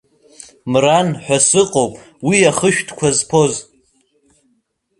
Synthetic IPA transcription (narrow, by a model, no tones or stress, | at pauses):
mranħʷᶣasɨqʼowpʼ | wiaχəʃᶣtʰkʷʰazpʰo̞z